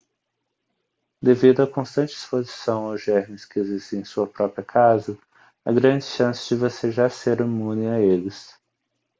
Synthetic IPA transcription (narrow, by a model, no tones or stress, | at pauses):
d̪evid̪ʊakõst̪ɐ̃nt͡ʃɪi̥spozisɐ̃w̃awʒɛɾmɪskɪezist̪ẽẽsuɐpɾɔpɾiɐkʰazɐ | ɐɡɾɐ̃d͡ʒɪʃɐ̃sɪ̥d͡ʒɪvoseʒaseɾimũnɪaelɪs